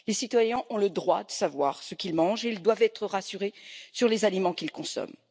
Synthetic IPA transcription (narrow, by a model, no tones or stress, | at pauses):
lesit̪wajɛ̃ʔɔ̃ləd̪ʁwa̰d̪əsavwaʁsəkʲilmɑ̃ʒeild̪wavɛt̪χəʁasyʁesyʁlezalimɑ̃kilkɔ̃sɔ̰m